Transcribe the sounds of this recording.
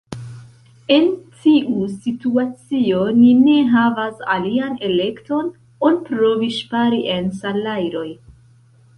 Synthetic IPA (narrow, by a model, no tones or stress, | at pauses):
e̞ntʰiʔusituat͡sio̞nine̞ɦavasa̰liane̞le̞kto̞n | onpɾo̞viʃpaɾiʔe̞nsalajɾo̞j